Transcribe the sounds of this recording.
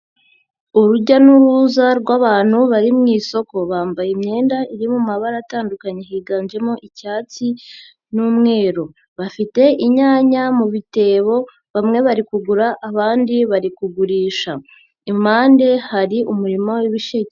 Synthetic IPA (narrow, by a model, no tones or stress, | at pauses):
uɾuɟanuɾuzaɾɡwaːβaːn̥huβaɾimŋiːso̞ko̞βaːmbajemɲe̞ːndaiɾimumaβaɾataːndukaɲeɦiːɡaːnʒe̞moʔicaːt͡si | nuːmŋe̞ːɾo | βafite̞ʔiɲaːɲamuβite̞ːβo̞ | βamŋe̞βaɾikuɡuɾaʔːβaːndiβaɾikuɡuɾiːʃa | imaːnde̞haɾiumuɾimowiβiʃe